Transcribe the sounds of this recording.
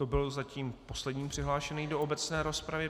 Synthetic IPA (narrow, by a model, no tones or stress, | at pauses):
t̪o̞bɪlzaciːmpo̞slɛdɲiːmpr̥ɪɦlaːʃɛniːdo̞ʔobɛt͡snɛːɾo̞spɾavɪ